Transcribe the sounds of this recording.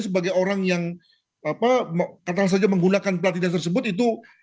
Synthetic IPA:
s̬əbaɡajoɾaŋjaŋ | apakat̪alas̬ad͡ʒaməŋɡunakanpəlant̪inant̪ərs̬əbʊt̪it̪̬u

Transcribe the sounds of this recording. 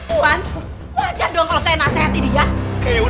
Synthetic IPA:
an | wad͡ʒandɔŋkalɔsanaseɦat̪idijakeu

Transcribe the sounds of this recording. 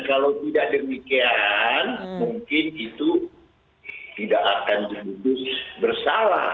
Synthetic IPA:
kalawt̪idaʔ̚dəmikianmuŋkɪnit̪u | t̪idaʔakand͡ʒəludʊsbərsala̰

